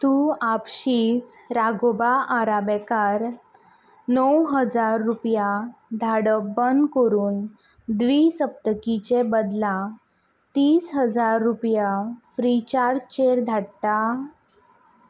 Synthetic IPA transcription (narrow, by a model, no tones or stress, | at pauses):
t̪uapɕiːt͡sɾaɡobaʔaɾabɛkaɾ | nəwɦəd͡zaɾːupjad̪ʱaɽəbənd̪kəɾuːn | d̪ʋiːsəp̚t̪əkit͡ɕebəd̪la | t̪iːsɦəd͡zaɾːupjafɾit͡ɕaɾt͡ɕeɾd̪ʱaɽt̪a